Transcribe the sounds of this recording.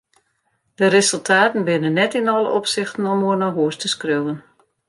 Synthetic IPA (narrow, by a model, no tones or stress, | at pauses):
d̥əɾesəlˠtʰaːtən̩bɪnənːɛtɪnɔlˠə̰ʔɔpsɪxtən̩ɔmoənaɦuəstəskrøwən